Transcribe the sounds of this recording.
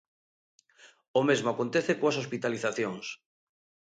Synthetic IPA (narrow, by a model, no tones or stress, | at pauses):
omezmoakont̪eθekoasospit̪aliθaθjoŋs